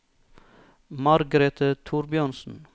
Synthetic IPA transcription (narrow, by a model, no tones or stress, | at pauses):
mɑɾɡəɾet̪ət̪ʰuːɾbjœnsn̩